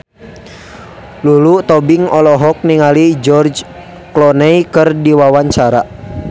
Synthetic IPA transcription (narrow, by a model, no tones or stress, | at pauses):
lulut̪ɔbiŋɔlɔɦɔk̚niŋalid͡ʒɔrd͡ʒ | klɔnɛikɨrdiwawaɲt͡ʃaɾa